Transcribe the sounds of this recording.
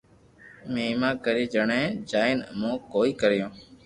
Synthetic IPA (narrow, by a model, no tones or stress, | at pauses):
meːmãːkəɾiːd͡ʒəɳẽːd͡ʒaːɪnmõːkoːiːkəɾɪjõː